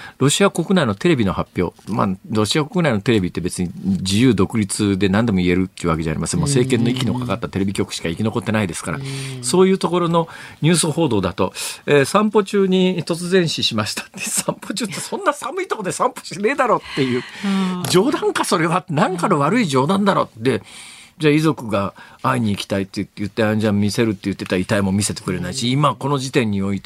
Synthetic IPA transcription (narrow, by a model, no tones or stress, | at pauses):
ɾo̞ɕiako̞kɯnaino̞t̪e̞ɾe̞bʲino̞hapʲjo̞̰ːma̰ɾo̞ɕiako̞kɯ̟naino̞t̪e̞ɾe̞bʲit̪ːe̞be̞t͡sɨɲ̟id͡ʑijɯːd̪o̞kɯ̟ɾʲit͡sɨd̪e̞nãnd̪e̞moie̞ɾɯ̟t̪ːeiɯ̟βake̞ʑa̰ɾʲḭma̰semːose̞ːkẽ̞nːo̞ikʲino̞kakat̪ːat̪e̞ɾe̞bʲikʲo̞kɯ̟̥ɕi̥kaikʲino̞ko̞t̪ːe̞naid̪e̞sɨ̥ka̰ɾa̰so̞ːjɯ̟ːt̪o̞ko̞ɾo̞no̞ɲ̟ʲɨːsɨho̞ːd̪o̞ːd̪at̪o̞̰eːsãmpo̞t͡ɕɨːɲ̟it̪o̞t͡sɨzẽ̞ɰ̃ɕiɕimaɕi̥t̪ʰḁt̪ːesãmpot͡ɕɨːt̪ːesõ̞nːasamɯ̟it̪o̞kod̪e̞sãmpo̥ɕine̞ːd̪aɾo̞t̪ːe̞jɯ̟ːd͡ʑo̞ːd̪ãŋkaso̞ɾe̞βanãŋkanoβaɾɯ̟iʑo̞ːd̪ãnd̪aɾo̞d̪e̞d͡ʑaːizo̞kɯ̟ɡaaiɲ̟iːkʲi̥t̪ait̪ːejɯ̟t̪ːe̞ãɲd͡ʑãmmʲise̞ɾɯ̟t̪ːe̞jɯ̟t̪ːet̪ait̪aimo̞mʲise̞t̪e̞̥kɯ̟ɾe̞naiɕiːmako̞no̞ʑit̪ẽ̞ɲ̟ːio̞it̪e